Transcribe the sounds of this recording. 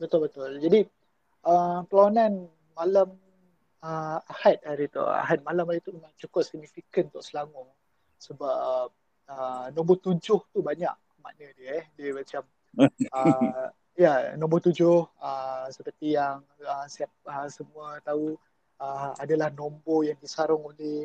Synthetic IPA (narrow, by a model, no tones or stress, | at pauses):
bət̪ʊlbət̪ʊld͡ʒadi | ʔəpəlawanan | malam | əahat̪̚aɾit̪ɔ̰ʔa̰ɦat̪̚malamait̪umemãŋt͡ʃukʊp̚siɡ̚nifikənt̪ɔʔsəlaŋɔ | səbap̚ | ənɔ̃mbət̪ud͡ʒʊht̪ubaɲa̰ʔ | ma̰ʔnədiəɛhdəmat͡ʃam | ə | janɔ̃mbɔt̪ud͡ʒʊhəsəpərt̪ijaŋ | əsiap̚əsəmũət̪au | əadalahnɔ̃mbɔjaŋdisaɾʊŋolɛh